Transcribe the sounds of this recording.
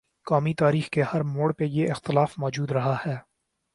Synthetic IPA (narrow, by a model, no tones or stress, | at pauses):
kaːmit̪aːɾiːxkehɐɾmoːɽpejeʔɪxt̪ɪlaːfmɔːd͡ʒuːd̪ɾɐɦahɛː